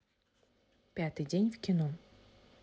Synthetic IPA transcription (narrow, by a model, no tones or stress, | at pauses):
pʲjat̪ɪjdʲɛnʲwkʲinɔ